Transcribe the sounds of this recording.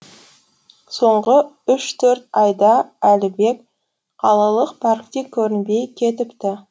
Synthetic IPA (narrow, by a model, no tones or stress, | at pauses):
so̞ɴʁə | ʏʃt̪ʰɵɾt̪ɑjd̪ɑælɪbe̞k | qʰɑlˠɑlˠəqpʰɑɾk̚t̪ekʲʰɵɾɪnbe̞jkʲʰe̞t̪ɪpt̪ɪ